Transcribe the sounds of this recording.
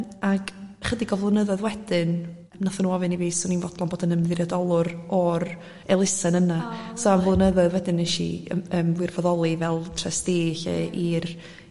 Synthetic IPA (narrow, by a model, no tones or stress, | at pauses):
aɡ̥χədiɡɔvlˠənəðɔðwɛdɪn | mnaθanuːɔvɨniviːsɔninvɔd̥lˠɔnboːdənəmðɪrjadɔlˠʊɾɔr | ɛlˠɪsɛnənasɔanvlˠənəðɔðwɛdɪnɛʃḭəːmvwɪrvɔðɔlˠivɛlˠtʰrɛsd̥eːɬɛ̰ʔir